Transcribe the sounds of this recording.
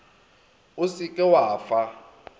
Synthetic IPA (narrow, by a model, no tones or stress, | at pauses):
usikʼɛwaːfa